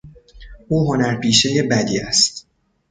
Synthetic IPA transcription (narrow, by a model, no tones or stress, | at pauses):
ʔuːɦo̞næɾpʰiːʃe̞je̞bæd̪iːæst̪